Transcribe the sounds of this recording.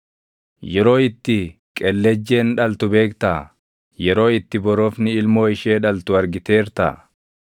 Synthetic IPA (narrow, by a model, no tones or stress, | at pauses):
jɛɾo̞ːɪt̪ːɪ | kʼɛlːɛd͡ʒːe̞ːnᶑɐlt̪ʊbe̞ːkt̪aː | jɛɾo̞ːɪt̪ːɪbɔɾoːfnɪɪlmo̞ːɪʃeːᶑɐlt̪ʊɐɾɡɪt̪e̞ːɾt̪a̰ː